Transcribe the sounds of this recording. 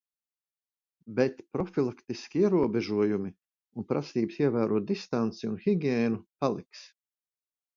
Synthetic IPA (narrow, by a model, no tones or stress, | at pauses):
bɛt̪pɾɔfilˠakt̪iskʲiiɛɾuɔbɛʒuɔjumi | unpɾasiːbsiɛvæːɾuɔt̪̚d̪ist̪ant̪siṵnxiɡʲɛːnupalˠiks